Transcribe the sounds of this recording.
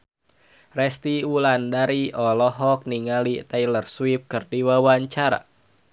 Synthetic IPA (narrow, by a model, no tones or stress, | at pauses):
rɛst̪iulandaɾiɔlɔɦɔk̚niŋalit̪ɛjlərswip̚kɨrdiwawaɲt͡ʃaɾa̰